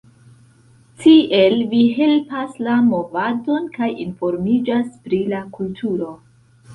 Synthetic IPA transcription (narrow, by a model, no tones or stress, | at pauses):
tʰiʔe̞lviɦe̞lpaslamo̞vado̞nkajinfo̞ɾmid͡ʒaspɾilakultʰuɾo̞